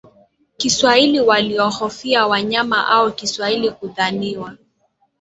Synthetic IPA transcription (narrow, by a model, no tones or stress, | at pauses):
kiswailiwaliɔhɔfiawaɲamaʔaɔkiswailikuðaniwa